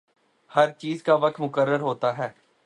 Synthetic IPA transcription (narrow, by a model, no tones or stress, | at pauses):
həɾt͡ʃiːzkaːʋək̚t̪mʊkəɾːəɾɦoːt̪aːɦɛː